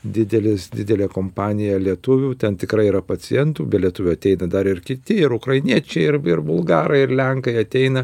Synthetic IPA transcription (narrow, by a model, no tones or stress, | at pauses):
d̪ʲɪd̪ʲɛlʲɪsd̪ʲɪd̪ʲɛlʲeːkoːmpɑːnʲɪjɛlʲiɛt̪ʊʋʲuːt̪ʲɛnt̪ʲɪkɾɐɪiɾɐpɐt͡s̪ʲɪjɛnt̪uːbʲɛtlʲiɛt̪ʊʋʲʊːɐt̪ʲɛɪnɐd̪ɐɾɪrkʲɪt̪ʲɪɪɾʊkɾɐɪnʲiɛt͡ʃʲɛɪɪɾɪɾbʊlˠɡɑːɾɐɪɪɾlʲɛŋkɐɪɐt̪ʲɛɪnɐ